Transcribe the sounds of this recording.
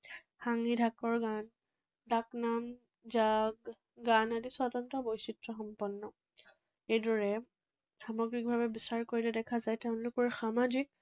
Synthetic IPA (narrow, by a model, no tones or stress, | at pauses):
xaŋidʱakɔɹɡan | daknam | zaɡ | ɡanadisɔtɔntɔbɔjsitɹɔxɔmpɔnːɔ | ejdɔɹɛ | samɔɡɹik̚bʱabɛbisaɹkoɹilɛdɛkʰazajteʊ̃nlʊkɔɹxamazik̚